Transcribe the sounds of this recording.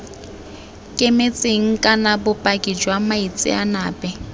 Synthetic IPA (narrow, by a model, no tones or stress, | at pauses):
kʼemet͡sʼeŋ̩kʼanabʊpʼakʼid͡ʒwamait͡sʼɪ̰anaːpʼɛ